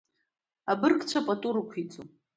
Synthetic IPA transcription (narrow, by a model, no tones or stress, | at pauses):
abɨrkʰʼt͡ʃʷʰapʼatʼuɾɨkʷʰit͡sʼu